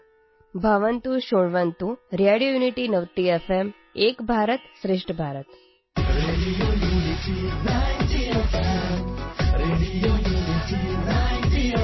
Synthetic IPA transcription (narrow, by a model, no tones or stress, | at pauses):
bʱəʋənt̪ũʃoɽʋənt̪ũɾaɽijojuniʈinəʋt̪iefem | ekbʱaɾət̪ʃɾɪʂʈʰəbʱaɾət̪ | ɾelijuniʈiɾati | ɾelijuitiɾat̪i